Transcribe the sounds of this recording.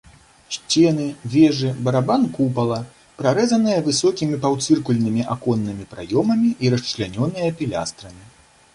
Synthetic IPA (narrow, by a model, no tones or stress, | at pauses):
ɕt͡sʲɛnɨvʲɛʐɨbɐɾabankupɐlˠɐ | pɾaɾɛzɐnɨjɐvɨsɔkʲimʲipawt̪sɨrkulʲnɨmʲiʔakɔnːɨmʲipɾa̰jɔmɐmʲiʔiɾɐst͡ʂlʲanʲɔnɨjɐpʲilʲa̰st̪ɾɐmʲi